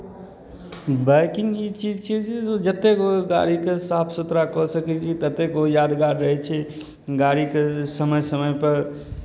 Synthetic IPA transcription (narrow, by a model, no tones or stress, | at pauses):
bəɪkɪ̃ŋɡit͡ʃid͡ʒt͡ʃʰid͡ʒɛod͡ʒət̪ːekoɡa̰ɽikesaːpʰsut̪ɾakɔsəkɛt͡ʃʰit̪ət̪ːekojaːd̪ɡaɾɾəɦɛt͡ʃʰɛ | ɡaɽikesəməjsəməjpəɾ